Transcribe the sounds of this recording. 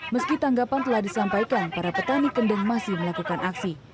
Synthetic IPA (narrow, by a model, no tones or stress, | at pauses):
məskit̪aŋɡapant̪əlahdisampaikanpaɾapət̪anikəndəŋmasɪhməlakukanʔaksi